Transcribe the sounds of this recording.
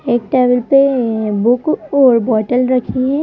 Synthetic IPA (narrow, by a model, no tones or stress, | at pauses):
eːk̚ʈeːbəlpebʊkɔːɾbɔːʈəlɾɐkʰiɦɛ̃ː